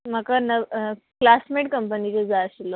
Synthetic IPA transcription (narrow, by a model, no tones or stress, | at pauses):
m̤əkanə | klasmeʈ̚kəmpənit͡sed͡zaɕilo